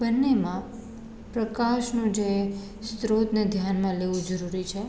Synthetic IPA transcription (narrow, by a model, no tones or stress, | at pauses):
bənːemã | pɾəkaʃnũd͡ʒe | st̪ɾod̪nəd̪ʱjanmãleʋũd͡ʒəɾuɾit͡ʃʰe